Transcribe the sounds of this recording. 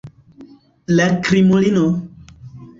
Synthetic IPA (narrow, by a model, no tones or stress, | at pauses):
lɛkɾimolino